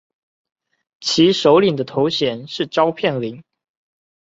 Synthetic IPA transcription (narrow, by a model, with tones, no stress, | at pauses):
t͡ɕʰi˧˥ʂo˧˥ʊli˨˩ŋd̪ə˦t̪ʰo˧˥ʊɕjɛ˨˩nʂɻ̩˥˩ʈ͡ʂɑ˥ʊpʰjɛ˥˩nli˨˥˦ŋ